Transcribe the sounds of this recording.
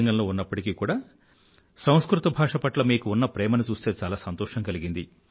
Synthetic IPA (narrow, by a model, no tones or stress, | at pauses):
ŋɡɐnlo̞ːunːɐpːɐʈikiːkuːɽaː | sɐw̃skɾut̪ɐbʱaːʂɐpɐʈlɐmiːkuunːɐpɾɛːmɐnit͡ʃuːst̪e̞ːt͡ʃaːlaːsɐnt̪ɔːʂɐŋkɐliɡind̪i